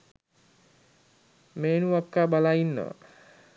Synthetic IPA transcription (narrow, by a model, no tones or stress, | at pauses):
meːnuʋakːaːbalainːə̰ə̰